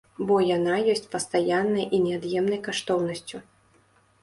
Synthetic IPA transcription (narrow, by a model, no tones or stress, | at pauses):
bɔjan̪ajɔsʲt͡sʲpɐst̪ajanːɐjʔinʲɛad̪jɛmnɐjkaʂt̪ɔwnɐsʲt͡sʲu